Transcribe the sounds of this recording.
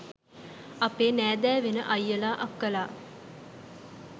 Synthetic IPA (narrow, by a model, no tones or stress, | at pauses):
ɐpeːnæːd̪æːʋenə̰ʔɐjːəlaːʔɐkːəlaː